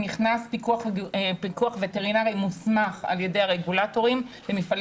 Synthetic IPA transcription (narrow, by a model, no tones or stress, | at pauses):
niχnaspikuaχpikuaχveteʁinaʁimusmaχa̰lje̞de̞jhaʁeɡulato̞ʁimvemifal